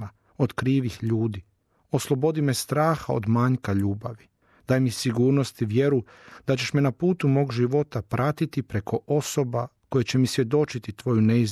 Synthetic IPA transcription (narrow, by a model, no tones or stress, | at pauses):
a | o̞d̪kɾiːʋixʎuːd̪i | o̞slˠo̞bo̞d̪imest̪ɾaːxao̰d̪maɲkaʎuːbaʋi | d̪̥aːjmisiɡuːɾnost̪iʋje̞ɾu | d̪̥at͡ɕe̞ʃmenapuːt̪umo̞ːɡʒiʋo̞t̪apɾʔat̪it̪ipɾe̞kʰo̞ʔo̞so̞bako̞jet͡ɕe̞misʋje̞d̪o̞t͡ʃit̪it̪ʋo̞juneiz